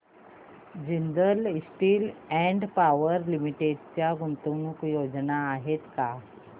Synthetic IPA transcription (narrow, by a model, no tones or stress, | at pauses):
d͡ʑind̪əlisʈiːlɛ̃ɳɖpaʋəɾlimiʈeɖt͡ɕjaɡunt̪unukjod͡znaːɦet̪ka